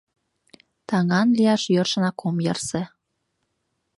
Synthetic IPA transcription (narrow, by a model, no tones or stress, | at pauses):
t̪ɑŋɑnlijɑʃjɤrʃə̆nɑkomjɤrsĕ